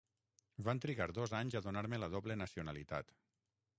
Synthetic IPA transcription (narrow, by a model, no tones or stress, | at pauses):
bant̪ɾiɣaɾðɔzaɲzaðunaɾmeləðoβlenasiunalit̪a̰t̪